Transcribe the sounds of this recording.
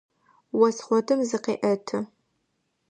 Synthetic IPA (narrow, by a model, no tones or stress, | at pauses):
wɔsχʷɔtʰɨmzɨqeːʔɐtʰɨ